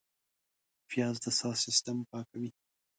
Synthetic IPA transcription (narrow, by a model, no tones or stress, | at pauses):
fijɑzd̪əsɑsɪst̪ampɑkawi